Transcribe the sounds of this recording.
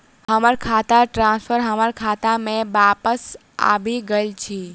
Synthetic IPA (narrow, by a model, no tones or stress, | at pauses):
həməɾkʰat̪aʈɾãspʰəɾɦəməɾkʰat̪amẽʋapəs | a̰biɡəjlt͡ʃʰi